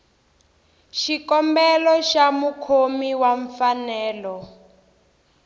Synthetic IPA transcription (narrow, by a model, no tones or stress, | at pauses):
ʃikɔmbɛlɔʃamukʰomiwaɱfanɛːlɔ